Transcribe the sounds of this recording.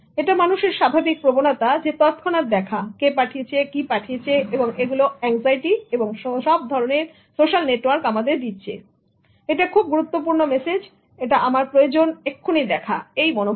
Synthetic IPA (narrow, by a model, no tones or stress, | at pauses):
eʈamanuʃeɾʃabʱabik̚pɾobonat̪ad͡ʑet̪ɔt̪kʰɔnaɾd̪ɛkʰakepaʈʰijet͡ɕʰekipaʈʰijet͡ɕʰeeboŋeɡuloɛŋzajʈieboŋʃʃɔb̚d̪ʱɔɾoneɾ | soʃalneʈwaɾkamad̪eɾd̪it̪ːɕʰḛ | eʈakʰub̚ɡuɾut̪ːop̬uɾnomesed͡ʑ | eʈaʔamaɾpɾojod͡ʑonekʰːunid̪ɛkʰa̰ejmɔno